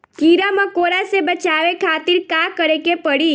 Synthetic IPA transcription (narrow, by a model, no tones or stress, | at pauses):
kiɾamãkoɾasebət͡ʃaʋekʰat̪iɾkakəɾekepəɽi